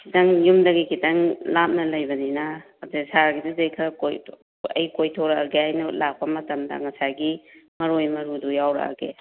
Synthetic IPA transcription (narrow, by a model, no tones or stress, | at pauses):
kʰitɐŋjumdɐɡikʰitɐŋlap̚nɐlɐjbɐninaː | tesaɾɡidizɐjkʰɐkoj | ɐ̰jkojtʰoɾɐɐɡeajnulak̚pɐmɐtɐmdɐ̰ŋɐsaɡimɐɾojmɐɾudujawɾɐ̰ɐ̰ɡḛ